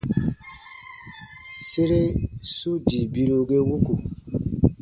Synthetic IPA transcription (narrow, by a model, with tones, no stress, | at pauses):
se˦ɾe˦su˦di˨bi˦ɾo˨ɡe˦wo˦ku˨